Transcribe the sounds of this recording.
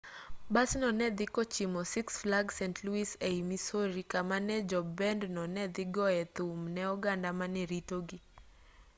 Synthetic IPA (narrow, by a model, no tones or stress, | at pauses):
basnɔnɛd̪ɪkɔt͡ʃimɔsiksflaɡsɛntʰluiseimisoɾikamanɛd͡ʒɔbɛndnɔnɛd̪ɪɡɔɛt̪umnɛɔɡandamanɛɾitoɡi